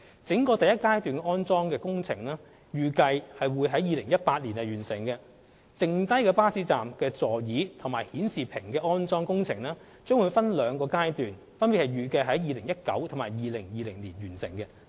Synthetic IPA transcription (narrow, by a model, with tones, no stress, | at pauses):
t͡sɪ˨˥ŋkɔː˧t̪ɐ˨jɐ˥t̚kaː˥jt̪yː˨nkɔː˥nt͡sɔː˥ŋkɛː˧kʊ˥ŋt͡sʰɪ˨˩ŋlɛː˥ | jyː˨kɐ˧jhɐ˨jwuː˨˧jɦɐ˨˥jiː˨˧lɪ˨˩ŋjɐ˥t̚paː˧t̚liː˨˩nɐ˨jyː˨˩nsɪ˨˩ŋkɛ˧ | t͡sɪ˨ŋt̪ɐ˥jkɛː˧paː˥siː˧˥t͡saː˨mkɛː˧t͡sɔː˨jiː˨˥t̪ʰʊ˨˩ŋmaː˨˩jhiː˨˥nsiː˨˩pʰɪ˨˩ŋkɛː˧ʔɔː˥nt͡sɔː˥ŋkʊ˥ŋt͡sʰɪ˨˩ŋlɛː˥ | t͡ʃœː˥ŋwu˨˧jfɐ˥nlœː˨˧ŋkɔː˧kaː˥jt̪yː˨n | fɐ˥npi˨thɐ˨˩jɥyː˨˩kɐ˧jɦɐ˨˥jjiː˨˧lɪ˨˩ŋjɐ˥t̚kɐ̰˨˥wt̪ʰo˨˩maː˨˩jiː˨˧lɪ˨˩ŋjiː˨˧lɪ˨˩ŋliː˨˩nɥyː˨˩nsɪ̰˨˩ŋkɛ˧